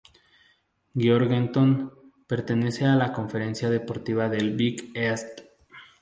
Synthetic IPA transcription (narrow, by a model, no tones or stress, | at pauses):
ɡjoɾɣent̪on | pe̞ɾt̪e̞ne̞se̞alako̞ɱfe̞ɾe̞nsjaðe̞po̞ɾt̪iβaðe̞lbikest̪